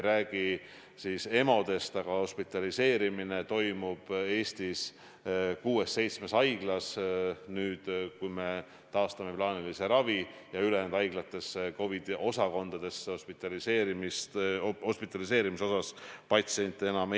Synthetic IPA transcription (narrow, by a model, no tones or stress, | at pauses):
ɾæːɡ̥i | sise̞mo̞d̪̥e̞st̪ɑɡ̥ɑho̞spit̪ːˑɑlise̞ːɾimine̞t̪o̞jmub̥e̞ːst̪is | kuːe̞sːe̞jt̪sme̞sɑjɡ̥lɑsnyːd̪̥kujme̞ | t̪ɑːst̪ɑme̞plɑːnilise̞ɾɑvijɑylend̪ɑjɡ̥lɑt̪ːˑe̞sːeko̞vid̪̥o̞sɑko̞nd̪̥ɑd̪̥e̞sːeospit̪ːˑɑliseːɾimist̪ho̞spit̪ːˑɑlise̞ːɾimiso̞sɑspɑt̪sienʲt̪ːˑeenɑm